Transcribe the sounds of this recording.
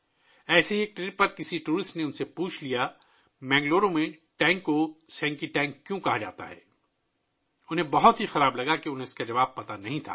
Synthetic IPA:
ɛːseieːk̚ʈɾeːʈ̚pɐɾkɪsiʈuːɾɪsʈneʊnsepuːt͡ʃʰlija | mɛ̃ːŋɡloːɾõmẽʈɛ̃ːŋkːosɛ̃ːŋkiʈɛ̃ːŋkːjõkɐɦad͡ʒa̰ːt̪a̰ɦɛ̰ː | ʊnɦẽbɐɦʊt̪ɦixɐɾaːblɐɡakeʊnɦẽʊskad͡ʒɐʋaːb̚pɐt̪anɐɦĩt̪ʰa̰ː

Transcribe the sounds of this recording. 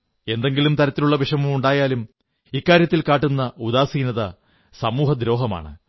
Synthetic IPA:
e̞nd̪e̞ŋɡilumt̪ɐɾɐt̪ːiluɭːɐʋiʂɐmumuɳɖaːjaːlum | ikːaːɾjɐt̪ːilkaːʈːunːɐud̪aːsiːnɐðɐ | sɐmuːhɐd̪ɾo̞ːɦɐma̰ːɳɨ̰

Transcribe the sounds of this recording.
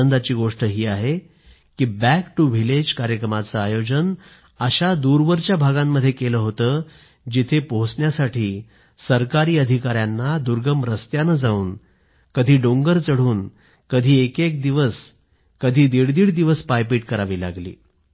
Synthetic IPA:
ənd̪at͡ɕiːɡoʂʈəɦiːaɦe | kiːbækʈuʋʱiled͡ʑkaɾjəkɾəmat͡səajod͡ʑən | əɕad̪uɾʋəɾt͡ɕjabʱaɡamːəd̪ʱːjekeləːɦot̪əː | d͡ʑit̪ʰepoɦsɳjasaʈʰiː | səɾkaɾiːəd̪ʱikaɾjanːad̪uɾɡəmɾəst̪janəd͡zauːn | kəd̪ʱiːɖoŋɡəɾt͡səɽ̤uːn | kəd̪ʱiːekek̚d̪iʋəs | kəd̪ʱiːd̪iɽd̪iːɽd̪iʋəspajpiːʈ̚kəɾaʋiːla̰ɡlḭː

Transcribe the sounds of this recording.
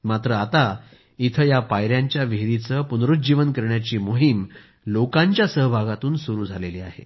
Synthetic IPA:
mat̪ɾəat̪a | it̪ʰəjapajɾjaɲt͡ɕjaʋeɾit͡səpunɾut̪̚d͡ʑiʋənkəɾɳjat͡ɕiːmoɦim | lokãɲt͡ɕjasəɦəbʱaɡat̪uːnsuɾuːd͡zʱaleliːa̰ɦḛ

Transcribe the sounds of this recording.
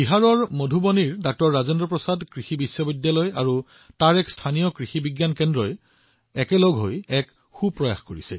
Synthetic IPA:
b̥iɦaɹɔɹmodʱuboniɹdak̚tɔɹːazendɔpɹɔsadkɹixibisːɔbidjalɔjaɹu | taɹɛkstʰanijɔkɹixibiɡjankɛndɹɔj | ɛkɛlɔɡɦojɛk | xupɹɔja̰xkoɹisɛ̰

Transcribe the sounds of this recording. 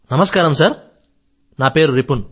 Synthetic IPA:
nɐmɐskaːɾɐmsɐɾ | naːpeːɾuɾepːunu

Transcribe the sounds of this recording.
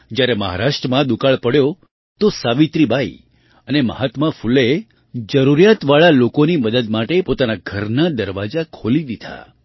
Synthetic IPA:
d͡ʒjaɾeməɦa̰ɾaʃʈɾəmãd̪ukaɭpəɽjo | t̪osaʋit̪ɾibaḭ | ənemə̰ɦat̪məfule | d͡ʒəɾuɾijat̪ʋaɭalokoniməd̪əd̪̚maʈepot̪anaɡʱəɾnad̪əɾʋad͡ʒakʰolid̪id̪ʱa̰

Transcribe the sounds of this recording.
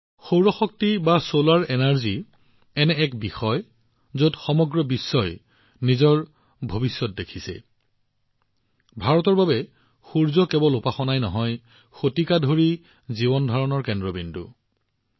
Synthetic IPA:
xowɹɔxɔk̚tibasolaɹɛnaɹzi | ɛnɛːkbixɔj | zodxɔmɔɡɹɔbisːɔj | nizɔɹ | bʱobisːɔt̚dekʰisɛ̰ | bʱaɹɔtɔɹbabɛ | xuɹzɔkɛbɔlupaxɔnajnɔɦɔj | xotikadʱoɹi | zibɔndʱɔɹɔnɔɹkɛndɹɔbindṵ

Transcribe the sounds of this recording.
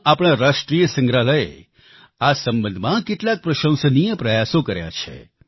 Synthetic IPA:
apɽ̃ãɾaʃʈɾijəsə̃ŋɡɾaləḛ | asəmbənd̪ʱmãkeʈlak̚pɾəʃə̃w̃sənijəpɾəjasokəɾja̰t͡ʃʰḛ

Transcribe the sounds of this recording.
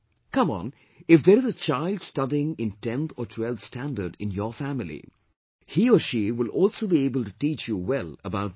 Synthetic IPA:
kʌ̃mə̰̃n | ɪfd̪əɾɨzət͡ʃaɪlˠdstʌdiɪ̃ŋɪ̃ntɛ̃nθʰətʰwɛlˠvstæ̃ndədɪ̰̃njəɹfæmɪlḭ | hiəʃiwɪlɔːlsoʊbieɪbəl̩ˠtuʈit͡ʃjuwɛlˠəbaʊt̚

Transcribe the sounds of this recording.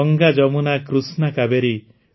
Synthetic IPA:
ɔŋɡad͡ʒɔmunakɾusnakabeɾi

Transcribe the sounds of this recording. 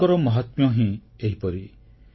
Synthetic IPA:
ɔɾɔmɔɦat̪mjɔɦĩ | eɦipɔɾi

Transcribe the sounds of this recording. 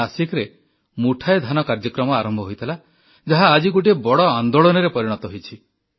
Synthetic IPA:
asikɾe | muʈʰaed̪ʱanɔkaɾd͡ʒɔkɾɔmɔaɾɔmbʱɔɦojt̪ʰila | d͡ʒaɦaːd͡ʒikuʈ̬iebɔɽɔand̪oɭɔnɔɾepɔɾiɽ̃ɔt̪ɔɦojt͡ʃʰi

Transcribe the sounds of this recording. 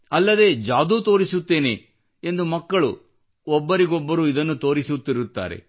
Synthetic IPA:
ɐlːɐd̪e̞ːd͡ʒaːd̪uːt̪o̞ːɾisut̪ːe̞ːne | end̪umɐkːɐɭu | ɔbːɐɾiɡɔbːɐɾuːid̪ɐnːut̪o̞ːɾisut̪ːiɾut̪ːa̰ːɾe̞̰

